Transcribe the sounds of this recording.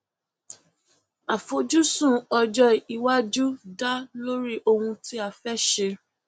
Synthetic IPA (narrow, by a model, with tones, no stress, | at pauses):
a˨fo˧d͡ʒu˦sũ˦˨ɔ˧d͡ʒɔ˧i˨wa˦d͡ʒu˦da˦lo˦ɾi˦ʔo˧hũ˧ti˦a˨fɛ˦ʃe˧